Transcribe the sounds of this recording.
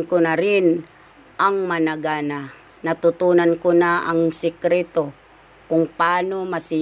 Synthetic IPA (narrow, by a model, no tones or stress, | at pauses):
kʊnaɾɪn | ʔaŋmanaɡana | nat̪ʊt̪uːnankonaʔaŋsɪkɾɛt̪o | kʊŋpaːnomasɪ